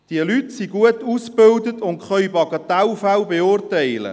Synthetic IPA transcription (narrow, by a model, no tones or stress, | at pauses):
d̥iəlytsiɡuətusb̥ɪldət̪ʊntχœɥbɑɡɑt̪ɛwfæwbeʊrtɛɪlə̰